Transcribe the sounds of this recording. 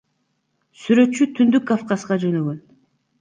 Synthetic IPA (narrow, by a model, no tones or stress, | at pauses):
syɾø̞t̪t͡ʃːyt̪ʰynd̪ykːafqɑsqɑd͡ʒø̞nø̞ɡø̞n